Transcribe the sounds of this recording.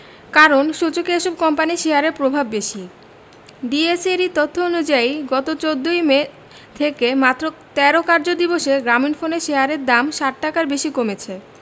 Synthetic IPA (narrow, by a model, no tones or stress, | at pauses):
kaɾonʃut͡ɕokeeʃob̚kɔmpaniʃeɦaɾeɾpɾobʱabːeʃi | ɖieseɾit̪ot̪ʰːoonud͡ʑaiɡɔt̪ot͡ɕod̪ːojme | t̪ʰekemat̪ːɾot̪ɛɾokaɾd͡ʑod̪iboʃeɡɾaminfoneʃeɦaɾeɾd̪amʃaʈ̚ʈakaɾbeʃikomet͡ɕʰe